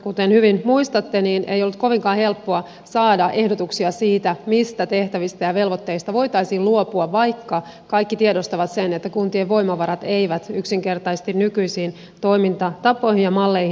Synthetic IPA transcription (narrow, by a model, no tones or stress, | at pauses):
kut̪enhyʋinmuist̪ɑt̪ːeniːnʔḛijolːut̪̚ko̞ʋiŋkɑːhe̞lpːoɑ | sɑːdɑʔe̞hdot̪uksiɑsiːt̪æmist̪æt̪eht̪æʋist̪æjɑʋe̞lʋot̪ːeist̪ɑʋo̞it̪ɑisiːluopuɑʋʋɑjkːɑ | kɑikːit̪iedost̪ɑʋɑt̪senet̪ːækunt̪ieʋo̞imɑʋɑɾɑt̪eiʋæt̪yksiŋkert̪ɑjse̥st̪innykyisiːn | t̪o̞imint̪ɑt̪ɑpːˑo̞ihinjɑmɑlːeihi